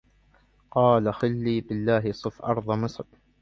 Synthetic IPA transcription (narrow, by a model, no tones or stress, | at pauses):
qɑːlaxɪlːiːbɪlːaːɦɪsˤɨfʔɑ̰ɾˤðˤɑmɨsˤɾ